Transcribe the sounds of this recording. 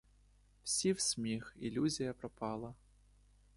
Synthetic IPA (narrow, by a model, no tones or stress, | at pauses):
wsʲiwsʲmʲixḭlʲuzʲijɐpɾɐpʰɑlˠɐ